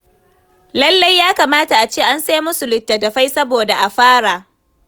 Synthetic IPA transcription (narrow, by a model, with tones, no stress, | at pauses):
lɐ˦lːa˦jːaː˦kaː˨maː˦ta˨ʔa˨t͡ʃeː˦˨ʔa˦nsa˦mʊ˦su˨lɪ˨tːɐ˨dɐ˨ɸa˦jsɐ˦boː˨da˨ʔa˨ɸaː˦ɽa˨ʔ